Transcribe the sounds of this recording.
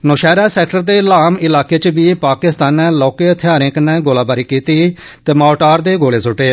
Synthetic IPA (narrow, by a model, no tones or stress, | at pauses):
noːʃɛːɾaːsɛːkʈəɾd̪eːlaːmɪlaːkeːt͡ʃəbiːpaːkɪst̪aːnɛːlɔːkeːt̪ʰɪjaːɾẽːkənɛːɡoːlaːbaːɾiːkiːt̪iː | t̪eːmaːʈaːɾd̪eːɡoːleːsʊʈeː